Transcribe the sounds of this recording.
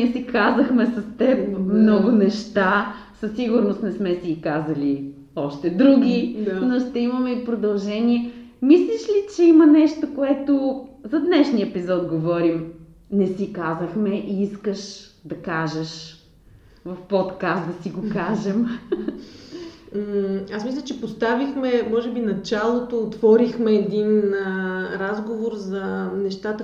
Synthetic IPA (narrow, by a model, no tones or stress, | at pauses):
iɛsikazəxmɛsɐst̪ɛp̚mnɔɡʊnɛʃt̪a | sɐsːiɡʊɾnost̪nɛsmɛsikazɐli | ɔʃt̪ɛd̪ɾuɡʲinoʃt̪ɛimɐmɛipɾod̪ɐlˠʒɛniɛmisliʃlit͡ʃɛimɐnɛʃt̪okoɛt̪ozɐd̪nɛʃniəɛpizɔt̪ɡovɔɾim | nɛsikazəxmɛʔiiskəʃd̪ɐkaʒəʃ | vɐfpɔt̪kast̪d̪ɐsiɡokaʒɛm | asmislʲət͡ʃɛpost̪avixmɛmɔʒɛbinɐt͡ʃalˠot̪oːt̪vɔɾixmɛːd̪inəɾazɡovoɾzɐnɛʃt̪at̪ə